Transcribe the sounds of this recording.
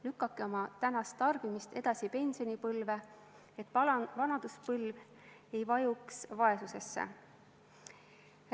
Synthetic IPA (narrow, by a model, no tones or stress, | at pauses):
lykːˑɑkːeo̞mɑt̪ænɑst̪ːɑrb̥imist̪e̞d̪̥ɑsipe̞nʲsio̞nʲipɤlve | et̪ːˑvɑnɑd̪̥uspɤlv | e̞jvɑjuksvɑe̞suse̞sːḛ